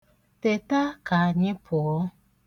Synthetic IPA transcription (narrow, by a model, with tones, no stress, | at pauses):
te˨ta˦ka˨ɲɪ̃˦pʰʊ˨ɔ˦